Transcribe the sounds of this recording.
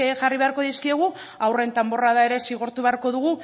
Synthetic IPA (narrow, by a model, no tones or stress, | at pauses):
ʝariβe̞aɾko̞ðiskieɣ̞u | awre̞nt̪ambo̞raðae̞ɾe̞siɣ̞oɾt̪uβeaɾko̞ðuɣu